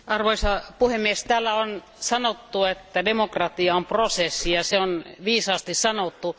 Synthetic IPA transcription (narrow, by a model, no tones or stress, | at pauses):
ɑrʋoisɑpuhemːiest̪æːlːæon | sɑnot̪ːuet̪ːædemokrɑt̪iɑomprosesːijɑseonʋiːsɑːst̪issɑnot̪ːu